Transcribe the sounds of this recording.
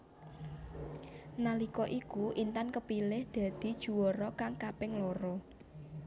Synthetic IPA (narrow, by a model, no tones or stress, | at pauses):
nalikɔʔikuʔint̪ankəpilɪhd̪̥ä̤d̪̥i̤d̥ʒ̥ṳwɔɾɔkaŋkapɪŋlɔɾɔ